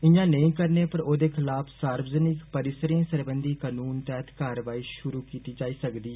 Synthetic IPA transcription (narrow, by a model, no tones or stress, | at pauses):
ɪjãːnəĩːkəɾneːpəɾoːd̪eːkʰɪlaːpʰsaːɾbzənɪkpəɾɪsɾẽːsəɾbənd̪iːkaːnuːnt̪ɛːt̪ʰkaːɾəʋaːiːʃʊɾuːkiːt̪iːd͡ʒaːiːsəkd̪iː